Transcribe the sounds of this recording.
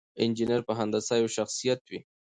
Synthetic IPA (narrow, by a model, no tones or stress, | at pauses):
ɪnd͡ʒinaɾpəɦand̪asɑjoʃaxsijat̪wi